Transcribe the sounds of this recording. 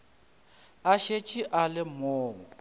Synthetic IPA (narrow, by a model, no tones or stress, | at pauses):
aʃet͡ʃʼiʔalɪmɔːŋɔ